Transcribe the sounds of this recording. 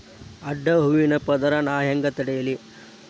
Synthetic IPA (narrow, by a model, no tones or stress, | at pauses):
ɐɖːɐɦuʋinɐpɐd̪ɐɾɐnaːjɐŋɡɐt̪ɐɽɐjɐli